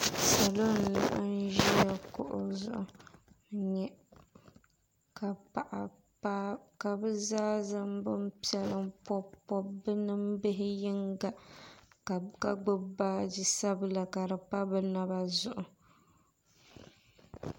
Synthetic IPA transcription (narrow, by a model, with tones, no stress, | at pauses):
sa˨lo˦n˨la̰˦ʔa˦n˦ʒi˦a˦kʊ̰˨ʔʊ˨˦zʊ̰˦˨ʔʊ˨ | ɲɛ˦ | ka˨a˨ʔ | a˦ka˨bɨ˦zaː˦za˦mbɨ˦m˦pi˦ɛ˦lɨ˦mpɔ˦pːɔ˦bɨ˦nɨ˦mbɪ˦ɦɪ˦jɪ˦ŋɡa˦˨ | ka˨ɡ͡bɨ˦baː˦di˦sa˦bɨ˦la˨ka˨ɾɨ˨pa˦bɨ˦na˦ba˦zʊ˨ʔʊ˨